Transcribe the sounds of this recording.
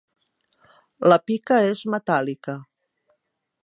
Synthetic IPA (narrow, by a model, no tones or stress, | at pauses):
ləpikəezmet̪alikə